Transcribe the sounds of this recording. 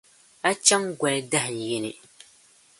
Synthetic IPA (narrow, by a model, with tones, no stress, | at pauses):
a˦t͡ʃa˦ŋɡʷɛ˨lda˦hn˨je˨nɨ̰˨